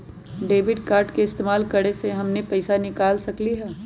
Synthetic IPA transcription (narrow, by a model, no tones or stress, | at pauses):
ɖeːʋɪɖkaːɾʈkeɪst̪eːmaːlkɐɽeseɦɐmnepɛɪsanɪkaːlsɐkliɦɛː